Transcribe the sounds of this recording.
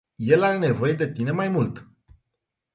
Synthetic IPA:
je̞laɾe̞ne̞vo̞je̞d̪e̞t̪ine̞majmult̪

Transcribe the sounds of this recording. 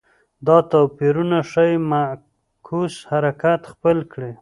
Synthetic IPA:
d̪ɑt̪opiɾunaʂajma | kʰushaɾakat̪xpəlkɽe

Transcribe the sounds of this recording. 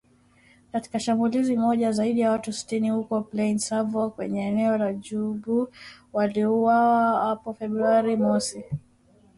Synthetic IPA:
kati̥kaʃambulizimɔʄazaiɗijawatusi̥tinihukɔplɛinsavɔkwɛ̰ɲɛːnɛɔlaʄuɓuwaliuwawahapɔfɛbɾuaɾimɔsi

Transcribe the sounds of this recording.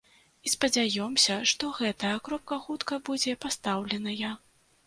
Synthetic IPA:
ispɐd͡zʲajɔmsʲɐʂt̪ɔɣɛt̪ɐjɐkɾɔp̚kɐxut̪kɐbud͡zʲɛpast̪awlʲɛnɐja

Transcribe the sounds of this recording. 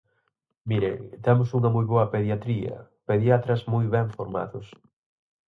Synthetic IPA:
miɾḛŋt̪ɛmʊsuŋɐmujβɔɐpeðjat̪ɾiɐ̰ | peðjat̪ɾɐsmujβɛɱfoɾma̰ðʊs

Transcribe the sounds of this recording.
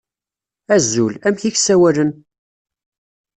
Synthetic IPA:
æzulæmçiçsæwælən

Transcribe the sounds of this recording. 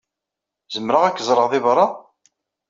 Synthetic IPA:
zəmːɾəʁækːəzˤɾˤəʁðɪvɾˤːɑ

